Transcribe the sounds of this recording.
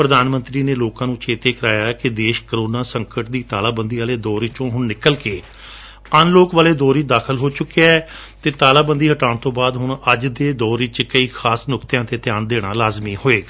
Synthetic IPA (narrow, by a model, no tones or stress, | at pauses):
pɾəd̪aːnmənt̪ɾiːneːloːkãːnũːt͡ʃʰeːt̪eːkəɾaːjaːɛkɪd̪eːʃkəɾoːnaːsəŋkəʈ̚d̪iːt̪aːlaːbənd̪iːʋaːleːd̪ɔːɾiːt͡ʃõːɦʊɳnɪkəlkeː | ənloːkʋaːleːd̪ɔːɾiːt͡ʃd̪aːkʰəlɦoːt͡ʃʊkːeaɛ | t̪eːt̪aːlaːbənd̪iːɦəʈaːɳt̪õːbaːd̪ɦʊɳəd͡ʒd̪eːd̪ɔːɾiːt͡ʃkəiːkʰaːsnʊkt̪jãːt̪eːt̪ɪjaːnd̪eːɽ̃aːlaːzmiːhoːeː